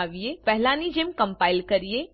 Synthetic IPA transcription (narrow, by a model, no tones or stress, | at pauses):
aʋijepɛɦlãːnid͡ʒemkɐ̃mpaːɪlkɐɾije